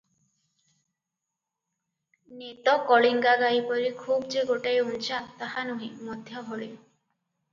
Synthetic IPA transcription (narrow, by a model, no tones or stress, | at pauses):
net̪ɔkɔɭiŋɡaɡajpɔɾikʰubd͡ʒeɡoʈajunt͡ʃat̪ahanuɦĩmɔd̪ʱjabʱɔɭi